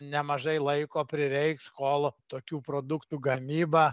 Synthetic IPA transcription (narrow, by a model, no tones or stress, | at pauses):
nʲɛmɐʒɐɪlˠɐɪkoːpʲɾʲɪɾʲɛɪkskoːlˠt̪oːkʲuːpɾoːd̪ʊkt̪uːɡɐmʲiːbɐ